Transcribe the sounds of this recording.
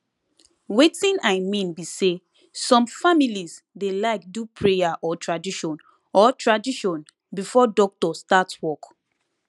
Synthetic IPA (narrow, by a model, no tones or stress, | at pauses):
wetĩnaɪmĩnbise | sɔ̃mfamiliz | delaɪk̚dupʰɹejaʔɔtɹadiʃɔ̃n | ɔtɹadiʃɔ̃n | bifɔdɔk̚tɔstatswɔk